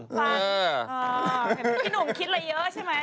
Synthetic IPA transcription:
aəː˩˧˩ | nu˨˩˦kʰi˦˥t̪̚laː˧˩jəː˦˥t͡ɕʰa˥˩jma˦˥

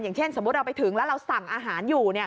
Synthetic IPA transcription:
jaː˨˩ŋt͡ɕʰe˥˩nso˩˦mu˧˦˥t̚ɾa˧wpa˧jt̪ʰɯ˩˦ŋlɛ˦˥wɾa˧wsa˨˩ŋʔaː˧ɦaː˩˦njuː˨˩ni˥˩ɐ

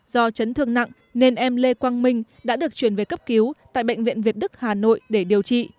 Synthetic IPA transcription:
zɔ˧t͡ɕə˨˦nt̪ʰɨ˧˩əŋna̰˧˨ŋ | ne˧nʔɛ˧mle˧kwaː˧ŋmï˧ŋ̟ | ɗa̰ː˧˥ɗɨ˨˩ək̚t͡ɕwi˧˩ənve˨˩kə˦˥p̚ki˨˦wt̪a̰ː˧˨jɓə̰˧˨ŋ̟vḭ˧˨ənvi˨˩ət̚ɗɨ˦˥k̚haː˨˩no̰˧˨jɗe˧˩ɗi˨˩əwt͡ɕḭ˧˨

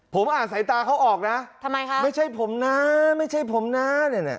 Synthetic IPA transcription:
pʰo˩˦mʔaː˨˩nsa˩˦jt̪aː˧kʰa˦˥wʔɔː˨˩k̚na˦˥a˧mːa˧jkʰa˦˥ma˥˩jt͡ɕʰa˥˩jpʰo˩˦mna˦˥ma˥˩jt͡ɕʰa˥˩jpʰo˩˦mna˦˥nɯ˧˩na̰˨˩

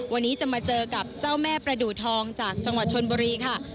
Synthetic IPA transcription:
wa˧nːiː˦˥t͡ɕa˨˩maː˧t͡ɕɤː˧ka˨˩p̚t͡ɕaː˥˩wmɛː˥˩pɾa˧duː˨˩t̪ʰɔː˧ŋt͡ɕaː˨˩k̚t͡ɕa˧ŋwa˨˩t̪̚t͡ɕʰo˧nbuː˧ɾiː˧kʰa˥˩

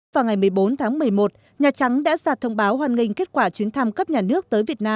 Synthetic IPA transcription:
vaː˨˩wŋa˨˩jmɨ˨˩əjɓo˨˦nt̪ʰaː˨˦ŋmɨ˨˩əjmo˨˩t̚ | ɲaː˨˩t͡ɕa˨˦ŋɗa̰ː˧˥zaː˨˩t̪ʰə˧wŋ͡mɓaː˨˦wɦwaː˨˩nŋï˨˩ŋ̟ke˦˥t̚kwaː˧˩t͡ɕwi˨˦ənt̪ʰa˧mkə˦˥p̚ɲaː˨˩nɨ˦˥ək̚t̪əː˨˦jvi˨˩ət̚naː˧

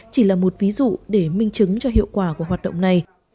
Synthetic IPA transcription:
t͡ɕi˧˩laː˨˩mo˨˩t̚vi˨˦zṵ˧˨ɗe˧˩mï˧ŋ̟t͡ɕɨ˨˦ŋt͡ɕɔ˧ɦḭ˧˨əwkwaː˧˩ku˧˩ɦwaː˨˩t̚ɗə̰˧˨wŋ͡mna˨˩j

